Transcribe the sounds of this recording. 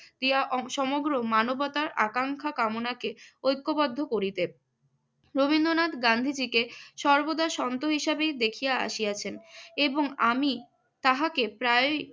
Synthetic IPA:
d̪̥ijaʔʃɔmoɡɾomanobɔt̪aɾakaŋkʰakamonakeojkːobɔd̪ʱːokoɾit̪e | ɾobind̪onat̪ɡand̪ʱid͡ʑikeʃɔɾbod̪aʃɔnt̪oɦiʃabejd̪ekʰijaa̰ʃijat͡ɕʰeneboŋami | t̪aɦakepɾae

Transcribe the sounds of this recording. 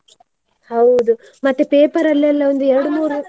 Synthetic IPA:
hɐwd̪u | mɐt̪ːepeːpɐɾɐlːɛlːɐond̪uɛɾɐɽumuːɾu

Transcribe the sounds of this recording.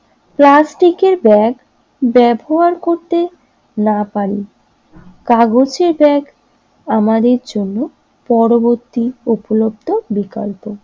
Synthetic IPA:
plasʈikeɾbɛɡ | bɛboɦaɾkoɾt̪e | napaɾi | kaɡod͡ʑeɾbɛɡ | amad̪eɾd͡ʑonːo | pɔɾoboɾt̪iupolob̚d̪ʱobika̰lpo

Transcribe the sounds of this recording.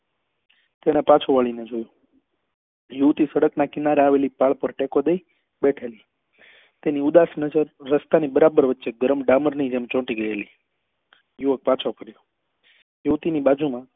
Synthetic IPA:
t̪eɽ̃epat͡ʃʰoʋaɭined͡ʒojũ | juʋt̪isəɽəknakɪnaɾeaʋelipaɭpəɾʈekod̪əi | beʈʰeli | t̪eniud̪asnəd͡ʒəɾːəst̪anibəɾabəɾʋətːʃeɡəɾəmɖaməɾnid͡ʒemt͡ʃɔ̃ʈiɡəeli | juʋək̚pat͡ʃʰopʰəɾjo | juʋt̪inibad͡ʒumã

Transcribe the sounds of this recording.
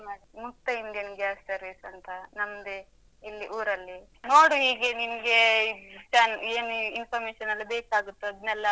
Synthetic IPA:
maimut̪ːɐinɡenɡjaːssɐɾʋisɐnt̪ʰɐnɐmːɐd̪e | ilːiʔuːɾɐlːi | no̞ːɽuɦiːɡe̞ninɡe̞t͡ʃaːneːnuinpʰɐɾmeːʃɐnɐlːibeːkaːɡut̪ːuɐd̪ɐnɛlːɐ

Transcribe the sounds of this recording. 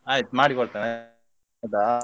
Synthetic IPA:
aːjit̪maːɽikɔɭt̪aːne | d̪a

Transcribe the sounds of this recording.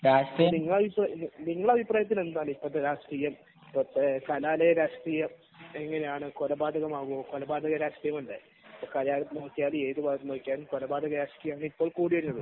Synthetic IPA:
ɾaːʂʈrijɐniŋːɐɭɐbʱipraniniŋːɐɭɐbʱipraːjɐt̪ːine̞nd̪aːlipːɐt̪ːeɾaːʂʈriːjɐm | pot̪ːkɐlaːlejɐɾaːʂʈriːjɐm | eŋːɐnejaːɳɨkolɐbaːd̪ʱɐɣɐmaːɣumokolɐbaːd̪ʱɐɣɐɾaːʂʈriːjɐmɐɳɖe | ipːokɐlaːlnoːkːjaːle̞ːðɨbanoːkʲːjaːlmkolɐbaːd̪ʱɐɣɐɾaːʂʈijɐmaːɳɨipːo̞ːɭkuːɽiʋɐɾinːɐðɨ

